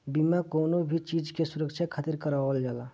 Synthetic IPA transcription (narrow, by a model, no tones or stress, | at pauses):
bimakonobʱit͡ʃid͡ʒkesuɾək̚t͡ʃʰjakʰat̪iɾkəɾawəld͡ʒala